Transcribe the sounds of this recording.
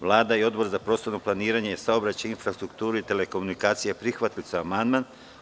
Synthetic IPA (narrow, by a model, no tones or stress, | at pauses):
ʋlˠaːd̪aio̞d̪bo̞ɾzapɾo̞ːst̪oɾnoplˠaniːɾaɲejesaobɾat͡ɕainfɾast̪ɾukt̪uːɾuit̪e̞leko̞munikaːt̪sijepɾixʋat̪ilt̪soamand̪man